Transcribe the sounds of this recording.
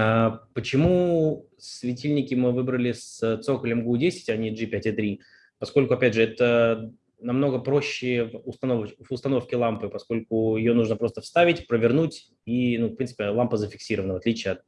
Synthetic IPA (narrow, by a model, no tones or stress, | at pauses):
apət͡ɕɪmu | svʲɪtʲilʲnʲɪkʲɪmɨvɨbɾəlʲɪsət̪so̞kəlʲɪmɡudʲesʲɪ̥tʲɐnʲiʐɨpʲætʲɪt̪ɾʲi | pɐsko̞lʲkʊɐpʲædʲʐɨɛt̪ə | nɐmn̪o̞ɡəpɾo̞ɕːɪvʊst̪ɐnovvʊst̪ɐno̞fkʲɪlˠampɨpɐsko̞lʲkʊjɪjo̞nuʐnəpɾo̞st̪əfst̪avʲɪtʲpɾəvʲɪrnutʲ | inufpɾʲinɨ̥pʲɪlˠampəzəfʲɪksʲiɾəvənəvɐt̪lʲit͡ɕɪjəɐt̪̚